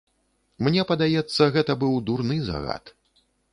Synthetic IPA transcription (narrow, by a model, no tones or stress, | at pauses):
mnʲɛpɐd̪ajɛt̪sːɐɣɛt̪ɐbɨwd̪urnɨza̰ɣa̰t̪